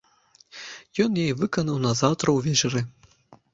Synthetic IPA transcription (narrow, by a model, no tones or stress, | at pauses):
jɔnjajivɨkɐnɐwnɐzawt̪ɾɐwvʲɛt͡ʂɛɾɨ